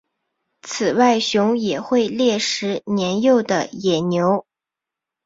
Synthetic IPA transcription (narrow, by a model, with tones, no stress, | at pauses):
t͡s̩ʰ˨˩wa˥˩ɪɕjʊ˧˥ŋjɛ˨˩xwe˥˧ɪljɛ˥˩ʂɻ̩˧˥njɛ˧˥njo˥˩ʊd̪ə˩jɛ˨˩njo˧˥ʊ